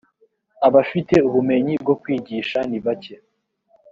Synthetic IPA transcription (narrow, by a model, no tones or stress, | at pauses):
aβafite̞uβume̞ɲib̚ɡo̞kwiːɟiʃaniβace